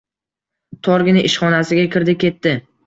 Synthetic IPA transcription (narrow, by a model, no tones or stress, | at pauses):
t̪ʰɒɾɡʲɪnɪʔɪʃχɒnasɪɡʲakʲʰɪɾd̪ɪkʲʰe̞t̪ːɪ